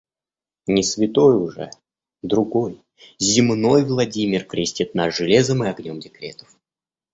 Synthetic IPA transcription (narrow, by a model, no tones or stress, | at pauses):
nʲɪsvʲɪt̪o̞jʊʐɛ̰ | d̪ɾʊɡo̞j | zʲɪmno̞jvlˠɐdʲimʲɪrkɾʲɪsʲtʲɪt̪nasʐɨlʲe̞zəmɨɐɡnʲo̞mdʲɪkɾʲet̪ə̥f